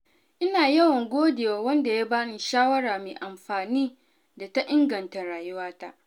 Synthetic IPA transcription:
ʔɪ˦naː˨jɐ˦wɐ˨ŋɡʷoː˦deː˨waː˨wɐ˦nda˨jaː˦baː˦nɪ˨ʃaː˦wɐ˦ɽaː˨meː˨ʔa˨mɸaː˨niː˦ | da˨ta˦ʔɪ˦ŋɡɐ˨nta˨ɾaː˨jʊ˦waː˦ta̰˦ʔ

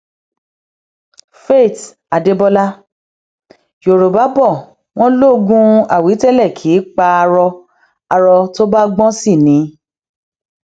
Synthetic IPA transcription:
fe˦˨t | a˨de˧bɔ˧la˦ | jo˨ɾo˨ba˨˦bɔ˦˨ | w̃ɔ̃˦lo˦˨ɡũ˦a˨wi˨˦tɛ˦˨lɛ˦˨kʰiː˨˦k͡pa˧a˧ɾɔ˧ | a˧ɾɔ˧to˦ba˦ɡ͡bɔ̃˦si˦˨nĩ˨˦

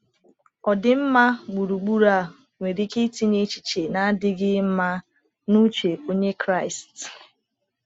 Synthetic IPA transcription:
ɔ˨dɪ˨m̩˦ma˦ɡ͡bu˨ɾu˨ɡ͡bu˦ɾa˦˨ | ŋʷe˨ɾi˦ki˦ti˦ne˦t͡ʃi̥˨t͡ʃe˨na˦dɪ˦ɡɪ˦m̩˦ma˦ | nu˦t͡ʃe˨ko˦ɲe˦kɾa˦˨ɪ˨st

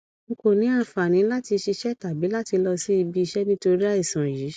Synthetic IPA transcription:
ŋ̩˧ko˨nĩ˨˦a˦˨fa˨nĩ˨˦la˦ti˧ʃi˧ʃɛ˦ta˨bi˨˦la˦ti˧lɔ˧si˦i˧bi˧i˧ʃɛ˦nĩ˦to˧ɾi˦a˦i˦˨sã˨ji˨˦

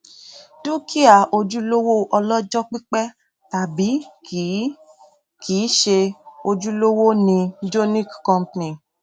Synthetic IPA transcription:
tu˦kʰi˦a˨o˧d͡ʒu˦lo˦wo˦ʔɔ˧lɔ˦d͡ʒɔ˦k͡pi˦k͡pɛ˦ | ta˨bi˨˦ | kʰiː˨˦ʃe˧o˧d͡ʒu˦lo˦wo˦nĩ˧d͡ʒo˦nĩ˦kkɔ̃˧mpnĩ˨

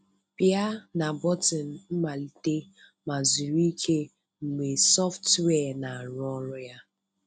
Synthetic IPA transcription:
pja˦na˨bɔ˦tɔ˨n̩˨m̩˦ma˨li˨te˦ | ma˨zu˨ɾi˦i˦kʰe˦ | ŋ͡m̩˨ɡ͡be˨sɔ˦ftwɛ˦˨na˨ɾʊ˦ɔ˦ɾʊ˦ja˦

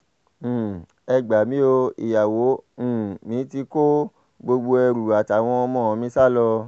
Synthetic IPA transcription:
ɛ˧ɡ͡ba˨mĩ˦o˧ḭ˨ja˨wõ˨˦˨mĩ˨˦ti˧ko˦ | ɡ͡bo˧ɡ͡bo˧ɛ˧ɾu˨a˨ta˨w̃ɔ̃˧ɔ˧mɔ̃˦˨˧mĩ˧˦sa˦˨lɔ˧

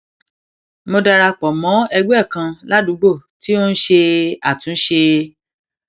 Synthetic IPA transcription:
mo˧da˧ɾa˧k͡pɔ˨mɔ̃˨˦ɛ˧ɡ͡bɛ˦˨kã˧la˦dũ˨˦ɡ͡bo˦˨ti˦o˦n̩˦ʃe˧a˨tũ˨n̩˦ʃe˧

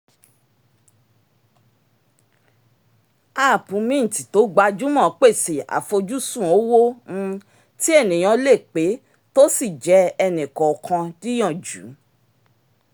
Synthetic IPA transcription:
aː˦˨pũ˨˦mĩ˦n̩˨ti˨to˨˦ɡ͡ba˧d͡ʒu˦mɔ̃˦˨˦k͡pe˦˨se˨a̰˨fo˧d͡ʒu˦sũ˦˨o˨˦wõ˦˧ | ti˦ɛ˦˨nĩ˨j̃ã˨˧le˦˨k͡pe˨˦ | to˦si˦˨d͡ʒɛ˨˦ɛ˧nĩ˨kɔ˨kʰã˧di˦j̃ɔ̃˦˨d͡ʒṵ˨˦

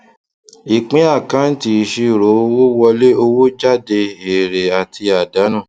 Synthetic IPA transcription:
i˨k͡pĩ˨˦a˦˨kã˨˦n̩˦ti˧˨ʃi˧˨ɾo˨˦o˧wo˦wɔ˧le˦o˧wo˦d͡ʒa˦de˧e˨ɾe˨a˨tʰi˧a˨da˨˦nã˦˨

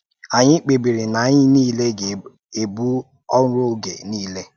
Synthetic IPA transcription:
a˨ɲɪ˦k͡pe˨bi˨ɾi˨na˨˦ɲɪ˦niː˦le˦ɡe˨ | e˨bu˦ | ɔ˦n˦ɾo˦ɡḛ˨niː˦le˦

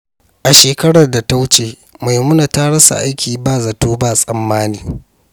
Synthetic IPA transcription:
ʔa˨ʃeː˨kɐ˦ɽɐ˨rda˨ta˦wʊ˦t͡ʃeː˨ | ma˨jmʊ˦na˨ta˦ɽɐ˦sa̰˨ʔa˦jkʲʰiː˨baː˦˨za˨toː˦baː˦˨sʼɐ˨mːaː˦niː˨

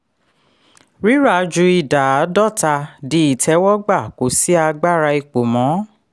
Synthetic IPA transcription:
ɾi˦ɾa˦˧d͡ʒu˧i˨da˨a˨˦dɔ˦˨ta˧di˦i˦˨tʰɛ˦wɔ˦ɡ͡ba˦˨ko˨˦si˦a˧ɡ͡ba˦ɾa˧i˧k͡po˨mɔ̃˨˦

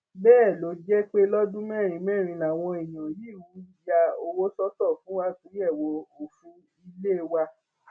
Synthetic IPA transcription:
bɛː˦˨lo˨˦d͡ʒɛ˦k͡pe˦lɔ˦dũ˦mɛ̃˦˨ɾ̃ĩ˧mɛ̃˦˨ɾ̃ĩ˧la˨w̃ɔ̃˧i˨j̃ã˨ji˨˦˨wũ˨˦i˦ja˧o˧wo˦sɔ˦tɔ˦˨fũ˨˦wa˦tĩ˨˦ɛ˦˨wo˨o˨fũ˧˦ | i˧le˦˧wa˧

